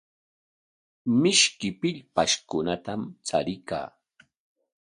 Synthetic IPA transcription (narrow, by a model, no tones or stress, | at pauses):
mɪʃkɪpɪʎpaʃkʊnat̪amt͡sa̰ɾɪka̰ː